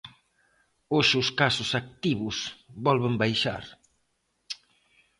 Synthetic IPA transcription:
oʃɪʊskasʊsak̚t̪iβʊsbɔlβembajʃa̰ɾ

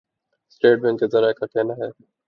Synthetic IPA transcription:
sʈeːʈ̚bɛ̃ŋkezɐɾaːekakɛːnaɦɛː

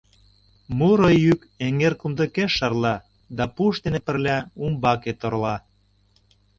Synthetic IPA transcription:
muɾojyk | eŋerkumd̪ə̆keʃːɑrlɑ | d̪ɑpuʃt̪enepə̆rlʲæumbɑket̪oɾlɑ

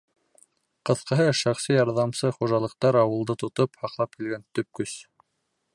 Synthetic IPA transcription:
qɤ̆θqɤ̆ɦɤʃɑχsijɑɾðɑmsɤχuʒɑlˠɤ̆qt̪ɑɾɑwɤ̆lˠd̪ɤt̪ŏt̪ophɑqlˠɑp̚kilɡænt̪ɵ̆p̚kɵs

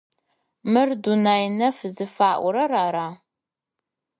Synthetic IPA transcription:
mɨrdunaːjnɐfzɨfaːʔʷʊɾɐraːɾaː

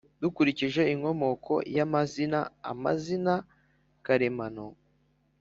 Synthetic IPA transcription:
d̥ukuɾiciʒe̞iŋo̞mo̞kʰo̞̰jamazinaa̰ma̰zina | kaɾemano

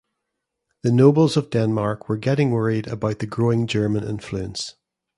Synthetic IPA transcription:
ðənobəlˠzəvdɛ̃nmaɹkʰwə˞ɡɛʔɪ̃ŋwɜɹidə̰baʊʔðəɡɹoɪ̃ŋd͡ʒɜ˞mə̃nɪ̰̃ɱflˠʉə̃ns

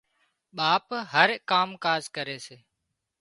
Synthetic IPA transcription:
ɓaːpɦəɾkaːmkaːzkəɾeːseː

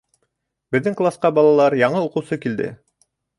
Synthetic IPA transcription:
bɘ̆ðːɘŋklˠasqɑbɑlˠɑlˠɑɾjɑɴɤuqɤ̆wsɤkild̪ɘ̰

